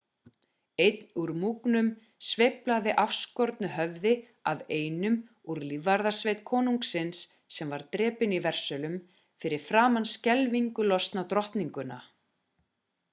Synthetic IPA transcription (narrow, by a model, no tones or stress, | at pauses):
ejt̪nuɾmuːknʏm | sveːplaðɪʔafskɔɾt̪nʏɦœvðɪ | aveːjnʏm | uɾlivaɾðasvejt̪kʰɔːnuŋksɪnsː | ɛmvaɾt̪ɾɛːpɪnivɛr̥sœlʏm | fɪɾɪɾ̥fɾaːmanscɛlviŋkʏlɔst̪nat̪ɾɔht̪niŋkʏna̰